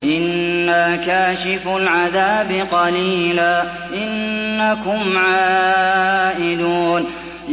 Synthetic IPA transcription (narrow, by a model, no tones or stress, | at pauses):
ʔɪnːaːkaːʃɪfʊlʕaðaːbɪqɑliːlaː | ʔɪnːakʊmʕaː | ʔɪd̪uːn